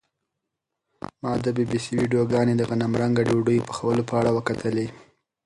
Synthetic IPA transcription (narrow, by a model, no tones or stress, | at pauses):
mɑd̪əbibisiwiɖijoɡɑned̪əɣanamɾaŋɡaɖoɖəjpə̥xawəlopəaɽawəkat̪ʰəle